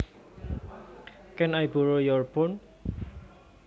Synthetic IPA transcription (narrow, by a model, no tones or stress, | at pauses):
kɛnajboɾojɔrpɔn